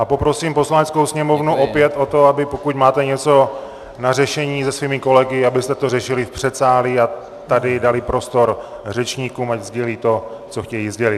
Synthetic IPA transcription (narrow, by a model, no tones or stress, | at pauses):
ʔapo̞pɾo̞siːmpo̞slanɛt͡skowsɲɛmo̞vnuʔo̞pjɛt̪ʔo̞t̪o̞abɪpo̞kucmaːt̪ɛɲɛt͡so̞ | narɛʃɛɲiːzɛsviːmɪko̞lɛɡɪabɪst̪ɛt̪orɛʃɪlɪfpr̝̥ɛt̪saːlɪa | t̪adɪdalɪpɾo̞st̪o̞ɾ | r̝ɛt͡ʃɲiːkuːmaczɟɛliːt̪o̞t͡so̞xcɛjiːzɟɛlɪt̪